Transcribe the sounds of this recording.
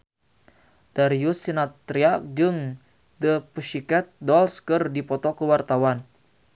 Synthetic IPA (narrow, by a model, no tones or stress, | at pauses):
daɾiusinat̪ɾiak̚d͡ʒɨŋ | d̪əpəʃikɛt̪̚dɔlskərdipɔt̪ɔkəwart̪awan